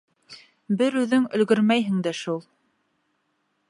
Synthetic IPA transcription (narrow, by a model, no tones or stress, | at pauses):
bɘɾʉðɵŋɵ̆lɡɵɾmæjɦɘ̆ŋd̪æʃulˠ